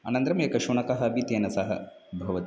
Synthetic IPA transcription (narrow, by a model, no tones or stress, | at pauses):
ɐ̰nɐnt̪ɾɐmjekɐʃuɳɐkɐɦɐɐbʱit̪jɐnɐsɐɦɐ̰bʱɐʋɐt̪